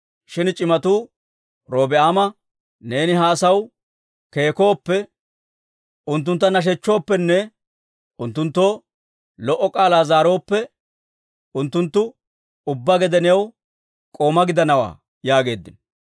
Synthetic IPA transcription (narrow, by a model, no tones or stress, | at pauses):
ʃɪnt͡ʃʼɪmɐt̪uː | ɾo̞ːbɪʔaːmɐ | ne̞ːnɪɦaːsɐw | ke̞ːko̞ːpːɛ | ʊnt̪̬ːʊnt̪ːɐnɐʃ̬ɛt͡ʃːo̞ːpːɛnːɛ | ʊnt̪ːʊnt̪ːo̞ː | lɔʔːɔkʼaːlaːzaːɾo̞ːpːɛ | ʊnt̪ːʊnt̪ːʊ | ʊbːaɡɛd̪ɛnɪɐw | kʼo̞ːmɐɡɪd̪ɐnɐwa̰ː | jaːɡe̞ːd̪ːɪn